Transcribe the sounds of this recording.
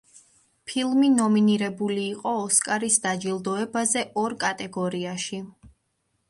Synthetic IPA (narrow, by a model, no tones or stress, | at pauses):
pʰilˠminɔminiɾɛbuliːqʼɔːskʼaɾisd̪ad͡ʒilˠd̪ɔɛbazɛʔɔɾkʼat̪ʼɛɡɔɾiaʃi